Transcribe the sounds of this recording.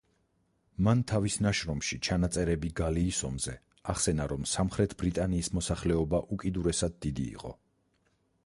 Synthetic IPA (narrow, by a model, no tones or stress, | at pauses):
mant̪ʰavisnaʃɾɔmʃit͡ʃʰanat̪sʼɛɾɛbiɡaliːsɔmzɛ | aχsɛnaɾɔmsamχɾɛt̪ʰbɾit̪ʼaniːsmɔsaχlɛɔbaʔukʼid̪uɾɛsad̪̚ːid̪ḭːqʼɔ̰